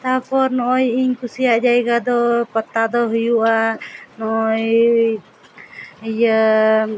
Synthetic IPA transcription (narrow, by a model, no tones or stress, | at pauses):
t̪apʰɔɾnɔʔɔjiɲkusijaʔd͡ʒajɡad̪ɔpɔt̪ːad̪ɔɦujuʔanɔʔɔj | ja